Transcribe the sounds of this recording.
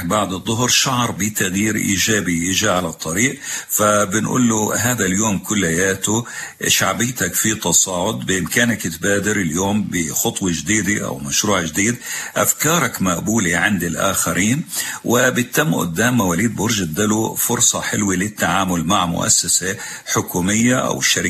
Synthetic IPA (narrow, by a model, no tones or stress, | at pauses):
baʕd̪ɨðˤːʊɦɾʃaʕɾˤbit̪aɣjiːɾʔḭːʒaːbiʔɪʒaʕalɑt̪ˤːɑɾiːʔfabɪnʔṵːlːʊɦaːðaljoːmkʊlːhajaːt̪ʊʃaʕbiːt̪akfit̪ɑsˤɑːʕʊd̪bɪʔɪmkaːnakɪt̪baːd̪ɪɾɪljoːmbɪxʊt̪ˤwɑd͡ʒd̪iːd̪iʔa̰wmaʃɾuːʕd͡ʒɪd̪iːd̪ʔafkɑːɾˤɑkmaʔbuːliʕɪnd̪ɪlʔa̰ːxaɾʔiːnwɪbɪt̪ːamːʔʊ̰d̪ːaːmːawaliːd̪bʊɾʒad̪alufʊɾsˤɑħɪlwilɪt̪ːaʕaːmʊlmaʕmʊ̰ʔa̰sːasa | ħʊkuːmɪjːaʔa̰wɪʃːaɾɪ